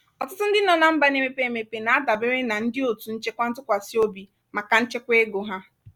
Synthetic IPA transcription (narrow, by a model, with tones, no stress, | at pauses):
ɔ˨tʊ˦tʊ˦n̩˦dɪ˦nɔ˨na˨m̩˦ba˨ne˦me˦pe˦e˦˨me˨pe˨na˨a˦da˨bɪ˦ɾɪ˦na˨n̩˦dɪ˦o˨tu˨n̩˦t͡ʃe˦kʷa˦n̩˦tʊ˦kʷa˨si˦o˦bi˨ | ma˨ka˨n̩˦t͡ʃe˦kʷe˦ɡo˨ɦa˦